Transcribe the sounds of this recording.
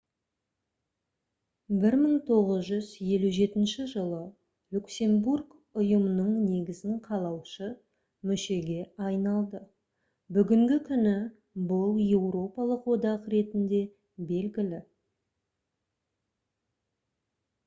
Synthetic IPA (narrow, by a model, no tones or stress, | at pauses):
bɪɾməɴt̪ʰo̞ʁəzʒʏzje̞luʒe̞t̪ɪnʃɪʒəlˠə | lʲuksʲe̞mburɡ | ʊjəmənəɴne̞ɡʲɪzɪŋqʰɑlˠɑwʃə | mʏʃe̞ɡʲe̞ɑjnɑlˠd̪ə | bʏɡʲɪŋɡʲɪkʲʰʏnɪ | bʊlˠje̞wɾo̞pɑlˠəqwo̞d̪ɑqɾe̞t̪ɪnd̪e̞ | be̞lɡʲɪlɪ